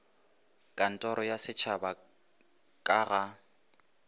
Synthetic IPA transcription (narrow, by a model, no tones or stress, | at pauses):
kʼan̩tʼɔɾɔjasɪt͡ʃʰaba | kʼaɣa